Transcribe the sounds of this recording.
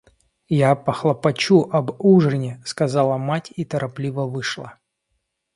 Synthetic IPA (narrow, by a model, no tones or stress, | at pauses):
japəxlˠɐpɐt͡ɕuʔɐbuʐɨnʲɪskɐzɑlˠəmatʲit̪əɾʔɐplʲivəvɨʂlˠə